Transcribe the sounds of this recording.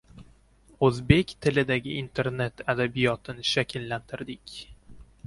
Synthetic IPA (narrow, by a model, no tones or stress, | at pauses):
ɵzbe̞kʲt̪ʰɪlɪd̪aɡʲɪʔint̪ʰe̞ɾne̞t̪ʰad̪abijɒt̪ʰɪnɪʃakʲʰɪlːant̪ʰɪɾd̪ɪkʲ